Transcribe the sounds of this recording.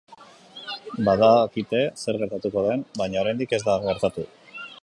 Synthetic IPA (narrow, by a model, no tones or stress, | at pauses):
baðakit̪e̞se̞ɾɣe̞ɾt̪at̪uko̞ð̞e̞mbajɲaoɾajnd̪ike̞zd̪aɣe̞ɾt̪at̪u